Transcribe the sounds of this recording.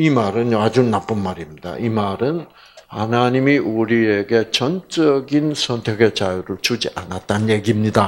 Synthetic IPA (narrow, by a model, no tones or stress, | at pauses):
imaɾɯnjoad͡ʑunap͈ɯnmaɾimɲida̰ʔimaɾɯn | anaɲimiʔuɾie̞ɡe̞t͡ɕʌnt͡ɕʌɡinsʰʌntʰe̞ɡet͡ɕajuɾɯɭt͡ɕud͡ʑiʔanat̚t͈anje̞ɡimɲida